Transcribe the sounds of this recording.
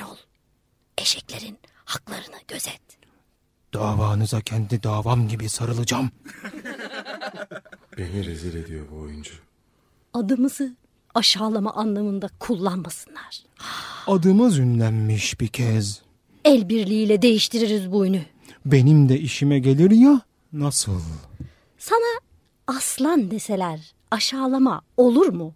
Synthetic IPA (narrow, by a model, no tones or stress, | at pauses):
olˠ | e̞ʃɛclʲe̞ɾin | haklˠaɾɯnɯɟ̥ø̞zɛt̪ | d̪̥aːvaːnɯzacʰɛnt̪ʰid̪aːvamɟibisaɾɯlˠɯd͡ʒam | b̥e̞niɾeziɾed̪ijo̰bojund͡ʒa | ad̪ɯmɯzɯ | aʃaːlˠama̰ʔanlˠamɯnd̪akʰulˠːanmasɯ̥nlˠaɾ̥ | ad̪ɯmɯzynlʲænmiʃbicʰɛz | ɛlʲbiɾlʲiiːlʲɛd̪e̞jiʃt̪ʰiɾiɾizbujny | be̞nimd̪ɛiʃimɛɟe̞lʲiɾja | nasɯ̰lˠ | sanaː | slˠand̪e̞se̞lʲæɾ | aʃaːlˠamao̞lˠuɾmu